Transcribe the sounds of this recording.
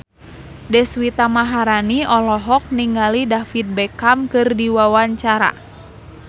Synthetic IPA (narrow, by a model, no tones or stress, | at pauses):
dɛswit̪amaɦaɾaniɔlɔɦɔk̚niŋɡalidafit̪̚bɛkamkɨrdiwawaɲt͡ʃaɾa̰